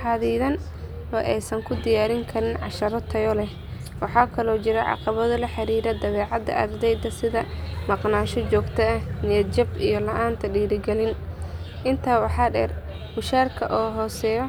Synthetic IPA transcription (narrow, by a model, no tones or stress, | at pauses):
ħɑːðiːðɐn | ɔːʔɛjsɐŋkʰʊd̪ɪjaːɾɪŋkʰɐɾɪnʕɑ̰ʃɐɾɔt̪ʰɐjɔlɛ | wɑħɑːkʰɐlɔːt͡ʃɪɾɐʕɑ̰qɑβɐðɐlɐħɑɾiːɾɐd̪ɐβɛːʕɑd̪ɐ̰ʔɐ̰rd̪ɛjd̪ɐsɪðɐmɑqnaːʃɔt͡ʃɔːɡt̪ʰɐɐhnɪjɐd͡ʒɐbijɔlɐʔaːnt̪ʰɐɖiːɾɪɡɛlɪn | ʔɪnt̪ʰaːwɑħɑːɖɛːr | bʊʃaːrkʰɐʔɔːɦɔːsɛːjɔ